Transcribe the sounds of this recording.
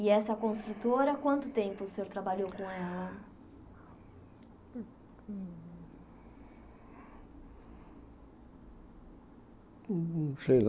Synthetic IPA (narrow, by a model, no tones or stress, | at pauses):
ɪɛsɐkõst̪ɾut̪oɾɐkwɐ̃nt̪ʊt̪ẽmpʊsẽoɾt̪ɾabaʎowkõɛlɐ | sejn